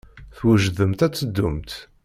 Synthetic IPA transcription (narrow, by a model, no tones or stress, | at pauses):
θwəʒðəmt̪æt͡sːəd̪ːʊmt̪